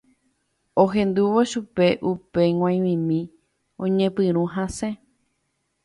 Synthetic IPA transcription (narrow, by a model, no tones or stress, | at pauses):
oɦẽ̞nd̪uʋoʃupe̞ʔupe̞ŋw̃ãj̃ʋĩmĩ | õɲẽpɨ̃ɾ̃ũɦasẽ